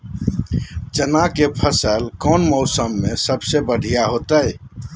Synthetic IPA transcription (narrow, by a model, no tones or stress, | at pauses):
d͡ʒənakepʰəsəlkɔnmɔʊsəmːesəbsebəɽ̤ʱijaɦot̪əj